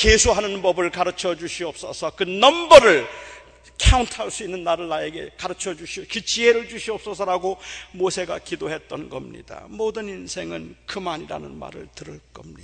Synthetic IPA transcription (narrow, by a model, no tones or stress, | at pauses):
kesʰoɦanɯnbʌbɯɭkaɾɯt͡ɕʰʌd͡ʑuɕʰiʌp̚s͈ʌ̰sʰʌkɯnʌmbʌɾɯɭ | kʰauntʰaɭs͈uinːɯnːaɾɯɭːae̞ɡe̞̰kaɾɯt͡ɕʰʌd͡ʑuɕʰiʌkɯt͡ɕieɾɯɭd͡ʑuɕʰiʌp̚s͈ʌsʰʌɾaɡomosʰe̞ɡa̰kidoɦe̞t̚t͈ʌnɡʌmɲḭda̰modɯninsʰe̞ŋɯnkɯmaɲiɾa̰nɯnma̰ɾɯ̰ɭtɯɾɯɭk͈ʌmɲida